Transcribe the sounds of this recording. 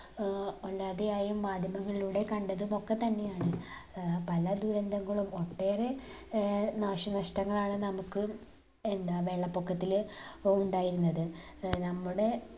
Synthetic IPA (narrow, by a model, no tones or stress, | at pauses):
olːaːðijaːjumːaːd̪ʱjɐmɐŋːɐɭiluːɽe̞kɐɳɖɐðumo̞kːe̞t̪ɐnːe̞jaːɳɨ | pɐlɐd̪uɾɐnd̪ʱɐŋːɐɭumo̞ʈːe̞ːre̞ | naːʂɐnɐʂʈɐŋːɐɭaːɳɨnɐmukːɨ | e̞nd̪aːʋe̞ːɭːɐpːokʰːɐt̪ːiluɳɖaːjiɾunːɐðɨnɐmːuɽe̞